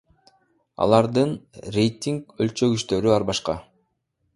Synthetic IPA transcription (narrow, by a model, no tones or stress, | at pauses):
ɑ̰lˠɑɾd̪ɯnrʲe̞jt̪ʲiŋkølt͡ʃø̞ɡyʃt̪ø̞ɾyɑɾbɑʃqɑ